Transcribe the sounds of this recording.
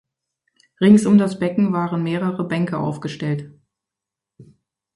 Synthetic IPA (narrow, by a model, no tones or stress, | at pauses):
ʁɪŋsʊmdasb̥ɛkŋ̩vaːʁənmeːʁəʁəbɛŋkəʔa̰ʊfɡ̥əʃtɛlt